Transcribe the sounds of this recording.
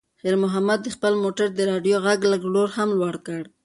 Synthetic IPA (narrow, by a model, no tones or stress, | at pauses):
xeɾmʊɦamad̪ːəxpəlmoʈaɾd̪əɾɑɖjoɣaɡləɡloɾhamlwaɽkəɽ